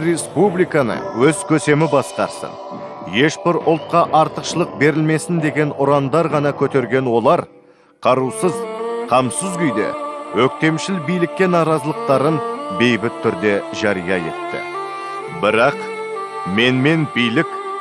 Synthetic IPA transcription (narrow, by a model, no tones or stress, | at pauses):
ɾe̞spublijkɑnə̰wɵzkʲʰɵse̞mɪbɑsqɑɾsə̰n | je̞ʃbɪɾʊlˠt̪̚qɑʔɑɾt̪əqʃəlˠəq̚be̞ɾɪlme̞sɪnd̪e̞ɡʲe̞nʊɾɑnd̪ɑɾʁɑnɑkʲʰɵt̪e̞ɾɡʲe̞nwo̞lˠɑɾ | qʰɑɾusəzqʰɑmsəzɡʲʏjd̪ḛwɵk̚t̪e̞mʃɪlbijlɪkʲːe̞nɑɾɑzəlˠəq̚t̪ɑɾənbe̞jbɪt̪ʰːʏɾd̪e̞ʒɑɾijɑ̰e̞̰t̪ːɪ̰ | bɪɾɑq | me̞nme̞nbijlɪkʲ